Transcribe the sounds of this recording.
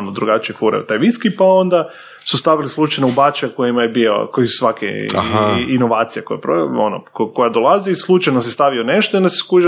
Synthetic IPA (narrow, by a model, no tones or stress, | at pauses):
nod̪ɾuɡat͡ʃiefuɾa̰ṵt̪ajʋiskipao̞nd̪a | sust̪aʋilislˠut͡ʃajnoubat͡ʃaako̞jimajebio̰kojisu̥sʋakḛaɦaino̞ʋaːt̪sijekojepɾoo̰no̰koko̞jad̪olˠaziislˠut͡ʃajnos̬est̪aʋioneʃt̪oind̪aseskuʒ